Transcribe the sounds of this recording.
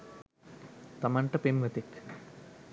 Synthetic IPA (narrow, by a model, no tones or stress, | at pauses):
t̪ɐmɐɳʈɐpimʋɐt̪ik